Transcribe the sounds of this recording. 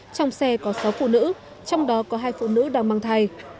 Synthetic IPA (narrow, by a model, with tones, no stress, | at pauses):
t͡ɕɔ˧wŋ͡msɛ˧kɔ˨˦sa˨˦wfṵ˧˨nɨ̰˧˥ | t͡ɕɔ˧wŋ͡mɗɔ˨˦kɔ˨˦ɦaː˧jfṵ˧˨nɨ̰˧˥ɗaː˧˩ŋmaː˧ŋt̪ʰa˧˩j